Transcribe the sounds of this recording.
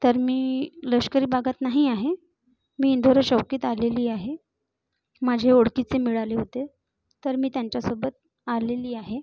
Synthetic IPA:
t̪əɾmiːləɕkəɾiːbʱaɡʱat̪naɦiaɦe | miːnd̪ʱoɾəɕəwkiːt̪aleliːaɦe | mad͡ʑʱeoɽkit͡semiɭaleɦot̪e | t̪əɾmiːt̪jaɲt͡ɕjasobət̪̚ | aleliːaɦe

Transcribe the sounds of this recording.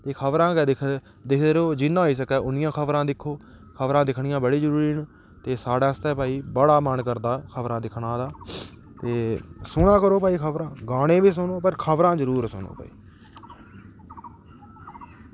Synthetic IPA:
t̪eːkʰəbɾãːkːd̪kʰ | d̪ɪkʰd̪ɾoːd͡ʒɪnːãːɦoiːs̬əkɛːʔʊnɪjãːkʰəbɾãːd̪ɪkʰːoː | kʰəbɾãːd̪ɪkʰɳɪjãːbəɽiːd͡ʒəɾuːɾiːn | t̪eːsaːɽaːst̪ɛːpaːiːbəɽaːmənkəɾd̪aːkʰəbɾãːd̪ɪkʰɳãːd̪aː | t̪eːsʊnaːkəɾoːpaːiːkʰəbɾãːɡaːɽẽːbiːsʊnõːpəɾkʰəbɾãːzəɾuːɾsʊno̰ːpa̰ːḭː

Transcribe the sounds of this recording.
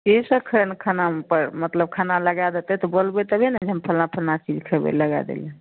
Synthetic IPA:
kisəkʰəɾənkʰanapəɾmət̪ləb̚kʰanaləɡad̪et̪ɛt̪ɔbolbɛt̪əbʱenɛd͡ʒəmpʰəlnapʰəlnat͡ʃid͡ʒkʰəbḛləɡad̪ḛlɛ

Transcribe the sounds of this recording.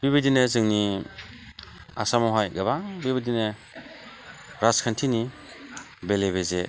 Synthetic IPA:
biβidinezɯŋni | a̰samɔɦɔjɡabaŋbibidine | ɾaskʰantʰini | beleβeze

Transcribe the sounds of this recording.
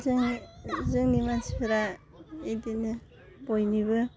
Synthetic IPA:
zɯŋzɯŋnimaspʰiɾa | edinɯ | bojnibɯ

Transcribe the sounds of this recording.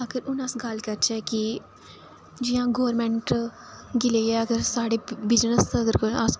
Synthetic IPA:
əɡəɾʊnəsɡəlkəɾt͡ʃʰɛːki | d͡ʒɪjãːɡoːɾmɛ̃ɳʈ | ɡɪleːɛːəɡəɾsaːɽeːbɪd͡ʒnəsəɡəɾəs

